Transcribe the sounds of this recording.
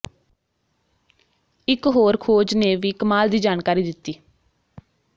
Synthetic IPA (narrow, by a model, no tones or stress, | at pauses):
ɪkɦoːɾkʰoːd͡ʒneːʋiːkəmaːld̪iːd͡ʒaːnkaːɾiːd̪ɪt̪ːiː